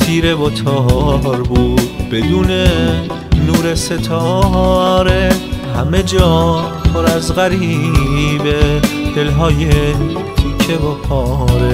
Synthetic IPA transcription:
t̪ʰiːɾebot̪ʰɔːɾbuːd̪̥̚be̞d̪uːne | nuːɾeset̪ʰɔː | ɾehæme̞d͡ʒɒːpʰoɾæzɣæɾi | bed̪̥e̞lɦɒːje | t̪ʰiːcʰebokʰɔːɾe

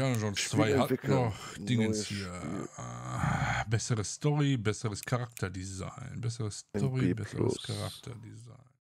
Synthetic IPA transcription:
anəʒɔnt͡svaɪhatnɔχd̥ɪŋənsfiɐ | bɛsəʁəstɔʁibɛsəʁəskʰaʁak̚tɐdiza̰ɪnbɛsəʁəsstɔʁibɛsə̰ʁə̰skʰaʁa̰k̚tʰɐdiza̰ɪn

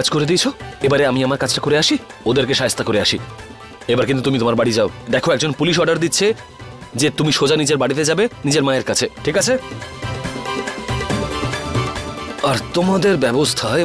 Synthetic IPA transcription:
ad͡ʑkoɾed̪iet͡ɕʰoebaɾeamiamaɾkat͡ɕʰʈakoɾeaʃiod̪eɾkeʃaɦest̪ːakoɾeaʃi | ebaɾkint̪ut̪umit̪omaɾbaɽid͡ʑaod̪ɛkʰoɛk̚d͡ʑonpuliʃ̬ɔɾɖaɾd̪itːɕʰe | d͡ʑet̪umiʃod͡ʑanid͡ʑeɾbaɽit̪ed͡ʑabenid͡ʑeɾmaeɾkat͡ɕʰeʈʰikat͡ɕʰe | aɾt̪omad̪eɾbɛbost̪ʰa

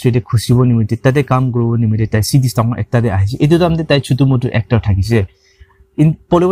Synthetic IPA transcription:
tɹitɛkʰusibɔnimitɛtat̬ɛkamkɔɹibɔnimitɛtajsidistakɔʔɛ̰k̚tadɛaɦis̬ɛʔet̬utamtɛtajsʰutumɔtuʔɛk̚taɹtʰakis̬ɛ | inpɔlib

